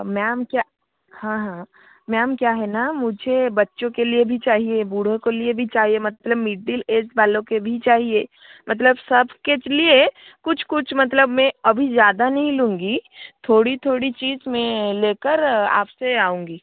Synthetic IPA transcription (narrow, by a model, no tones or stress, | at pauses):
maːmkja | hãːɦã | maːmkjaːɦɛnamʊd͡ʒʱebɐtːʃõkeliebʱit͡ʃaːɦiebuːɽ̤õkeliebʱit͡ʃaːɦiemɐt̪ləbmiɖɖileːsbaːlõkebʱit͡ʃaːɦieː | mɐt̪̬ləbsɐbʱket͡ʃlie | kʊt͡ʃʰkʊt͡ʃʰmɐt̪̬ləbmẽɐbʱizjaːd̪anɐɦĩlũːŋɡit̪ʰoːɽit̪ʰoːɽit͡ʃiːzmẽleːkəɾa̰ːpseaːũːŋɡiː